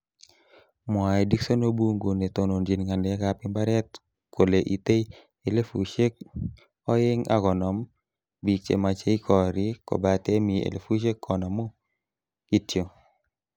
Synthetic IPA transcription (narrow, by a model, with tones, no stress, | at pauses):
mwa˨i˨di˦kso˦no˦bu˦ŋɡo˨ne˨t̪o˨no˨nd͡ʒi˨nŋa˨ndɛ˨a˦ka˨pɪ˦mba˦ɾɛ˦t̪̚ | kʰo˨le˨ʔi˨te˦i | e˨le˦fu˨ʃe˦k̚ | ɔ˦ɪ˦ŋa̰˦ɡɔ˨nɔ˨m | bi˨k̚t͡ʃḛ˨ma˨t͡ʃe˦i˦kʰɔ˨ɾi˦ko̰˨ba˨te˦mi˨ḛ˨lḛ˨fu˦ʃ̬e˦kːɔ˨nɔ˨mo˦ | ki˦tjo˨